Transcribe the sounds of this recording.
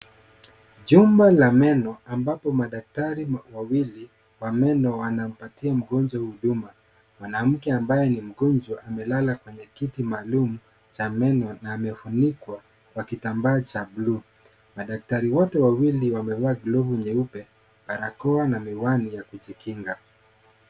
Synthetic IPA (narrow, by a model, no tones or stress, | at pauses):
ʄumbalamɛnɔambapɔmaɗak̚taɾiwawili | wamɛnɔwanam̩patiam̩ɡɔnd͡ʒwahuhuɗuma | mwanam̩kɛambajɛnim̩ɡɔnd͡ʒwaʔamɛlalakwɛɲɛkitimaːlumu | t͡ʃamɛnɔnaːmɛfunikwa | kwakitambaːt͡ʃablu | maɗak̚taɾiwɔtɛwawiliwamɛvaːɡlɔvuɲɛupɛ | ɓaɾakɔanamiwanijakut͡ʃikʰiŋɡa